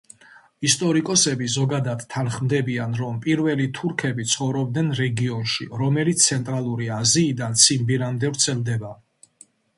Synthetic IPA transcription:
ist̪ʼɔɾikʼɔsɛbizɔɡad̪ad̪̥ʰanχmd̪ɛbianɾɔmpʼiɾvɛlit̪ʰuɾkʰɛbit̪sʰχɔvɾɔbd̪nɛnɾɛɡiɔnʃḭɾɔmɛlit̪ssʰɛnt̪ʼɾalˠuɾiaziːd̪ansʰimbiɾamd̪ɛvɾt̪sʰɛlˠd̪ɛba

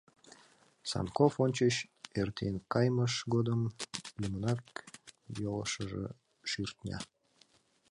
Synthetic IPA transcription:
sɑ̰nkofonʲt͡ɕəɕert̪ʰenkɑjməʃɡod̪əmlʲimənɑk | jolə̰ʃəʒḛ | ʃyrt̪nʲɑ̰

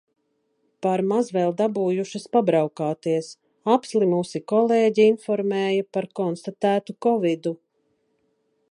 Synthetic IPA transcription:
paɾmazvɛːlˠd̪abuːjuʃɐspabɾawkaːt̪iɛs | apslimusikɔleːɟiinfɔɾmɛːjapaɾkɔnst̪at̪æːt̪ukɔvid̪u

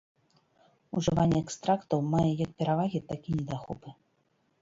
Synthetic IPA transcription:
uʐɨvanʲːɛɛkst̪ɾakt̪ɐwmajɛjɐk̚pʲɛɾavaɣʲit̪akʲinʲɛd̪axɔpɨ

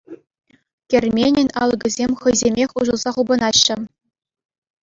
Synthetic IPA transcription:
kʲerʲmʲenʲɘ̆nʲɑlˠɤ̆ɡʲɘ̆zʲemʲχɤ̆jzʲemʲexʲuʒɤ̆lˠzɑχubɤ̆nɑɕːɘ̆

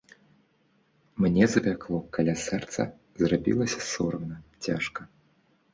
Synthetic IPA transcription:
mnʲɛzɐbʲaklˠɔkʰalʲasɛrt̪sɐ̰ | zrabʲḭlˠɐsʲɐsɔɾɐwnɐt͡sʲaʂkɐ

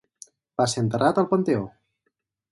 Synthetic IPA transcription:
b̥asent̪ərʔat̪əlˠpənt̪eo

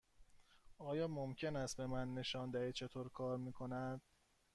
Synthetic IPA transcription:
ɒːjɒːmomcʰenæst̪̚be̞mænːe̞ʃɒːnd̪æhiːt͡ʃʰe̞t̪ʰoːɾkʰɒːɾmiːkʰo̞næd̪̥̚

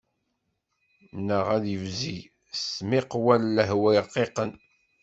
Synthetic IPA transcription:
nːəʁæðjəvzi | smiqwælːəɦwæjqːeqən

